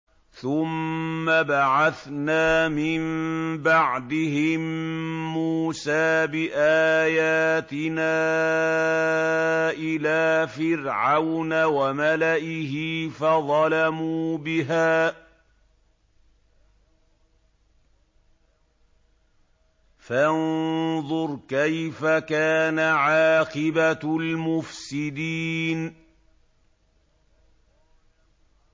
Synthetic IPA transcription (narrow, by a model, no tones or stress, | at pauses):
θʊmːabaʕaθnaːmɪmbaʕd̪ɪɦɪmː | uːsaːbɪʔaːjaːt̪ɪnaː | ʔɪlaːfɪɾʕawnawamalaʔɪɦɪfaðˤɑlamuːbɪɦaː | fanðˤʊɾkajfakaːnaʕɑːqɪbalmʊfsɪd̪iːn